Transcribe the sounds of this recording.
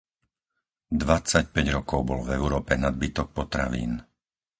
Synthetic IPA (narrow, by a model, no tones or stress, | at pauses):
d̪ʋat͡sac̚pɛɟɾɔkɔʊbɔlvɛʊɾɔːpɛnad̪̚bit̪ɔk̚pɔt̪ɾaʋḭːn